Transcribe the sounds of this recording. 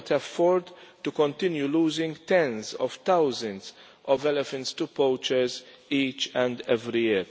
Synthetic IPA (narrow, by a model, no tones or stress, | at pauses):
t̪ʰɛfɔɾd̪t̪ukɔ̃nt̪ɪ̃njuluːzɪ̃ŋɡt̪ɛ̃nzɔv̥t̪awzə̃nz | ʔɔvɛlɛfɛ̃ntst̪upoːt͡ʃɛɾz | iːt͡ʃɛ̃nd̪ɛvɾijɪɾ